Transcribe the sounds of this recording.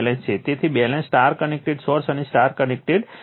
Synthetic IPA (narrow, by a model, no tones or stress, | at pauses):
lẽst͡ʃʰet̪et̪ʰibɛlẽnsʈaɾkənek̚ʈeɖsɔɾsənesʈaɾkənek̚ʈeɖ